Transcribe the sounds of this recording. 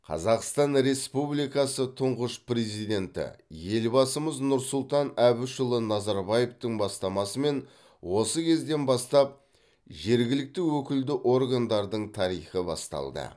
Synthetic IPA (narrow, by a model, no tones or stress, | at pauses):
qʰɑ̰zɑqst̪ɑnɾe̞spublijkɑsət̪ʰʊɴʁəʃpre̞zijd̪e̞nt̪ɪ̰je̞lbɑsəməznʊɾsʊlˠt̪ɑnæβɪʃʊlˠənɑzɑɾbɑje̞ft̪əɴbɑst̪ɑmɑsəme̞n | wo̞səkʲʰe̞zd̪e̞nbɑst̪ɑp̚ | ʒe̞ɾɡʲɪlɪk̚t̪ɪwɵkʲɪld̪ɪʔo̞rɡand̪ɑɾd̪əɴt̪ʰɑɾijχəbɑ̰st̪ɑ̰lˠd̪ə̰